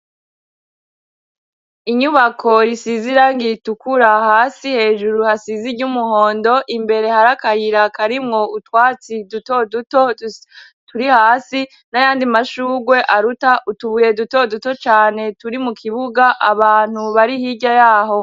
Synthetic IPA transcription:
iɲuβakʰo̞ɾisiziɾaŋɡitukuɾahaːsihe̞ːʒuɾuhasiziɾɟumuɦo̞ːndoʔimbe̞ɾe̞haɾakaɾiɾakaɾimŋo̞utwaːt͡sidutoduto | tuɾihaːsi | najaːndimaʃuːɡwe̞ʔaɾutaʔutuβuje̞duto̞duto̞t͡ʃaːne̞tuɾimukʰiβuɡaʔaβaːn̥uβaɾihiɟajaːɦo̞

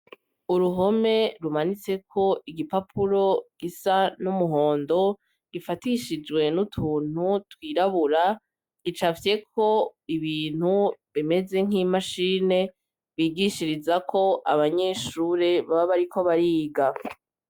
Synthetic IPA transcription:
uɾuɦo̞me̞ɾumanit͡se̞kʰo̞iɡipapʰuɾo̞ɡ̥isanumuɦo̞ːndo̞ | ɡ̥ifatiʃid͡ʒwe̞nutʰuːn̥hutwiːɾaβuɾa | it͡ʃafje̞kʰo̞iβiːn̥huβime̞ze̞ŋ̥imaʃiːne̞ | βiːɡiʃiɾizakʰo̞ʔaβaɲe̞ʃuːɾe̞βaβaβaɾikʰo̞βaɾiːɡa

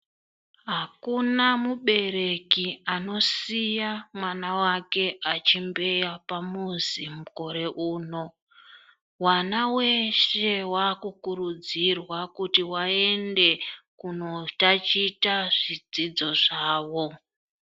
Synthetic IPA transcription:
ɦakunamuɓe̞ɾe̞kiano̞sijamwanawake̞ʔat͡ʃimbe̞japamuzimuko̞ɾe̞ʔuːno̞ | wanawe̞ʃe̞waːkukuɾud͡zirwakutiwae̞nde̞kuno̞tat͡ʃitaʐid͡zid͡zo̞ʐaːʋo̞

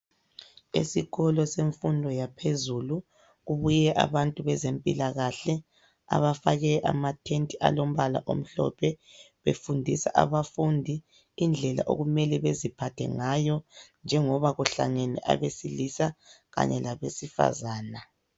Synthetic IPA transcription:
esiɣɔlɔseɱfundʱɔjapʰezulu | ɣuβujɛʔa̰βantʼuβɛzempʼilaɣaɬɛ | a̰βafaɣɛʔamatʰentʼiʔa̰lom̩βala̰ʔo̰m̩ɬɔ̰pʰɛ | βḛfundʱisa̰ʔaβafundʱi | ind͡ɮʱɛla̰ʔo̰ɣumɛlɛβezipʰatʰɛ̰ŋajɔnd͡ʒʱɛŋɔβaɣuɬa̰ŋɛnɛ̰ʔa̰βesilisaɣa̰ɲɛlaβesifa̰zaːna

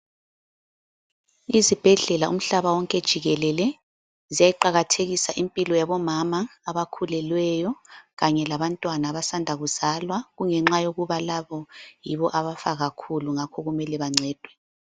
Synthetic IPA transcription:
izib̥ʱɛɮɛlaum̩ɬaβawɔŋkʼɛd̥ʒ̥ʱiɣɛlɛlɛ | zijajiǃaɣatʰeɣisaʔimpʼilɔjaβɔmamaːβakʰulɛlwɛjɔɣaɲɛlaβantʼwanaːβasandʱaɣuz̥alwaɣuŋɛŋ͡ǁajoɣuβalaβɔjiβɔʔaβafaɣakʰuluŋakʰɔɣumɛlɛβaŋ͡ǀʱɛːd̥ʱwɛ

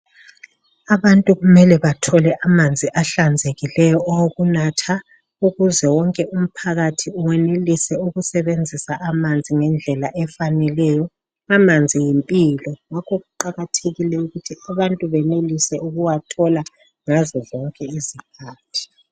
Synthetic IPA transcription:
aβantʼuɣumɛlɛβatʰɔlɛʔamand͡zʱiʔaɬand͡zʱeɣilɛjɔɔwoɣunatʰa | uɣuzɛwɔŋkʼɛum̩pʰaɣatʰiuwɛnelisɛuɣusɛβend͡zʱisaʔamand͡zʱiŋɛnd͡ɮʱɛlaʔɛfanɛlɛjɔ | amand͡zʱijimpʼiːlɔŋakʰoɣuǃaɣatʰeɣilɛuɣutʰiaβantʼuβɛnelisɛuɣuwatʰɔla | ŋazɔzɔŋkʼɛizikʰaːtʰi̥

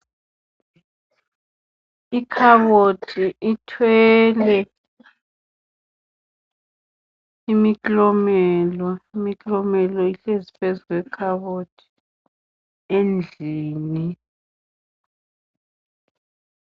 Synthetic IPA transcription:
ikʰaɓotʰiʔitʰwɛːlɛ | imikʼlɔmɛlɔimikʼlɔmɛlɔiɬezipʰezuk̬ʼwɛkʰaɓotʰi̥ | end͡ɮʱiːni

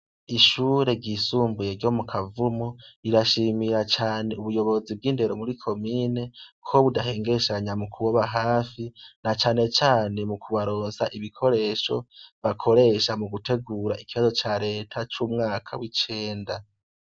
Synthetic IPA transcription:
iʃuːɾe̞ɟisuːmbuje̞ɾɟo̞ːmukʰavumoiɾaʃimiɾat͡ʃaːneuβujo̞βo̞zib̚ɡiːnde̞ɾo̞muɾikʰo̞miːne̞kʰo̞βudaɦe̞ːŋɡe̞ʃaɲamukʰuβoβaɦaːfinat͡ʃaːne̞t͡ʃaːne̞mukʰuβaɾo̞ːnsaʔiβikʰo̞ɾe̞ːʃo̞̰βakʰo̞ɾe̞ːʃamuɡute̞ɡuːɾaikiβazo̞t͡ʃaɾe̞ːtʰat͡ʃumŋaːkʰawit͡ʃe̞ːnda

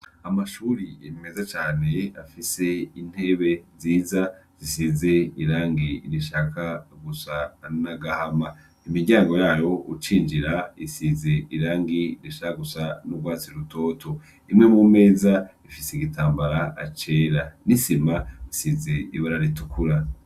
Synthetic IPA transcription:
amaʃuːɾiemime̞zat͡ʃaːne̞afise̞in̥he̞βe̞ziːzaz̥isize̞iɾaːŋɡiɾiʃaːkaɡusanaɡahama | imiɟaːŋɡo̞jaːjo̞ṵt͡ʃiːnd͡ʒiɾaisize̞ʔiɾaːŋɡiɾiʃakaɡusanuɡwaːt͡siɾuto̞ːtʰo̞ | imŋe̞mume̞ːzaifiseiɡitʰaːmbaɾaat͡ʃe̞ːɾanisimaisizeiβaɾaɾitukuɾa

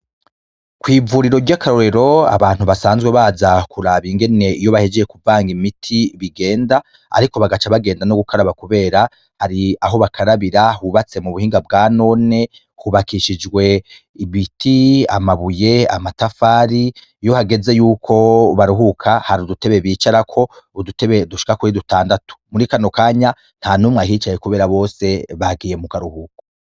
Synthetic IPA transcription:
kwiːvuɾiɾo̞ɾɟakʰaɾo̞ɾe̞ɾo̞a̰βaːn̥uβasaːnzɡweβazakuɾaβiŋɡe̞ne̞ijo̞βahed͡ʒeje̞kuvaːŋɡimitʰiβiɡe̞ːnda | a̰ɾiko̞βaɡat͡ʃaβaɡe̞ːndanoɡukaɾaβakuβe̞ːɾa | haɾiaɦo̞βakʰaɾaβiɾahuβat͡se̞muβuhiːŋɡabɡaːno̞ːne̞ | huβakiʃid͡ʒɡwe̞ | iβitiamaβuje̞amatafaːɾi | ijo̞haɡe̞ze̞juːkʰo̞βaɾuɦukʰahaɾudute̞βe̞βiːt͡ʃaɾakʰo̞duteβeduʃi̥kakuɾidutaːndatu̥muɾikano̞kaːɲa | n̥hanumŋahiːt͡ʃajekuβe̞ːɾaβo̞ːse̞βaɡiːje̞mukaɾuhukoḁ

